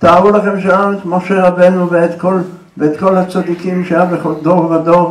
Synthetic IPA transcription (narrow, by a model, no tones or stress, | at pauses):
t̪aːʁulaχe̞mʃaanmoʃe̞ʁabe̞nuveet̪kol | veet̪ko̞lhat͡sad̪ikimʃeajabeχold̪o̞ʁvad̪o̞ʁ